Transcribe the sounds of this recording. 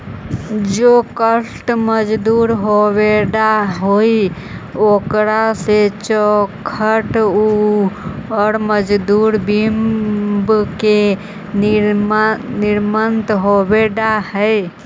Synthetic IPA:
d͡ʒokəsʈməd͡ʒd̪uɾɦoβeɖaɦoi | okɾaset͡ʃɔkʰəʈu | ɔɾməd͡ʒd̪uɾbimbke | niɾmənt̪ɦobeɖahəj

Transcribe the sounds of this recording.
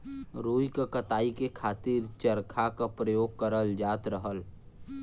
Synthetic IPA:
ɾoːikakət̪aːikekʰaːt̪iɾt͡ʃəɾkʰakapɾəjoːɡ̚kəɾəld͡ʒaːt̪ɾəɦəl

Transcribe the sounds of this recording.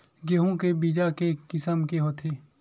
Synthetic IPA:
ɡeːɦõkebiːd͡ʒakekɪsəmkeɦot̪ʰeː

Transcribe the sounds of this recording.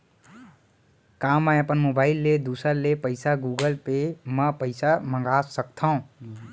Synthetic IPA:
kamːə̃əpənmobaɪlːed̪usəɾlepəɪsaɡuɡəlpeməpəɪsaməŋɡasək̚t̪ʰəʊ̃

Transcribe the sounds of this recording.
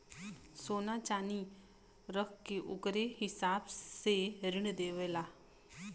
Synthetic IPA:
sonat͡ʃani | ɾəkkeʔukɾeɦisabseɾiɳd̪eʋɛla

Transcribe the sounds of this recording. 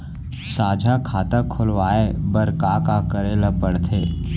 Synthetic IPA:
saːd͡ʒʱakʰaːt̪əkʰːʊlwaːebəɾkaːkakəɾeːlapəɽt̪ʰeː

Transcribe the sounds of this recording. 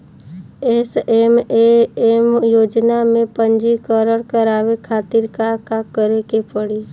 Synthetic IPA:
esemeemjoːd͡ʒnamẽpə̃nd͡ʒikəɾəɽkəɾaːʋekʰaːt̪ɪɾkakakəɾekepəɽi

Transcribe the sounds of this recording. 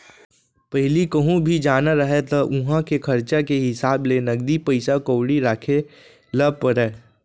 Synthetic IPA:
pɛɦlikɐɦũbʱid͡ʒaːnaɾɐɦet̪ɐʔʊɦãkekʰɐɾt͡ʃakeɦɪsaːblenɐɡ̚d̪ipəɪsakoːwɽiɾaːkʰe | ləb̚pəɾɛː

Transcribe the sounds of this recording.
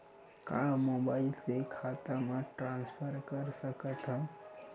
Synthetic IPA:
kamobaːɪlsekʰat̪amãʈɾãːnspʰəɾkəɾsəkət̪ʰɦə̃

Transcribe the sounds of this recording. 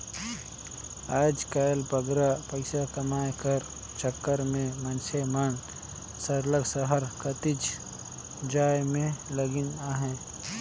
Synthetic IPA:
aːd͡ʒkajlpəɡɾapəɪsakəmaːjkəɾ | t͡ʃəkːəɾmẽmənsʰemən | səɾləɡsəɦəɾkət̪ɪd͡ʒ | d͡ʒaːjmẽləɡɪnaːɦɛ̃

